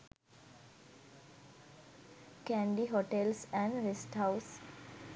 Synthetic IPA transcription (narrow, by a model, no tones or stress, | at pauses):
kæ̃ɳɖiɦoʈelsɛ̃ɳɖɾesʈɦaʊs